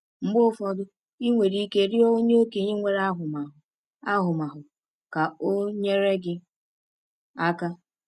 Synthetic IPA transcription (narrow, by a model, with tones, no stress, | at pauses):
m̩˦ɡ͡bʊ˦fɔ˨dʊ˦ | i˦ŋʷe˨ɾi˦i˦ke˦ɾɪ˦o˦ɲe˦o˦ke˨ɲe˦ŋʷe˨ɾa˦ɦʊ˨ma˨ʊ˨ | a˦ɦʊ˨ma˨ɦʊ˨ | ka˨o˦ɲe˦ɾe˦ɡɪ˦ | a˦ka˦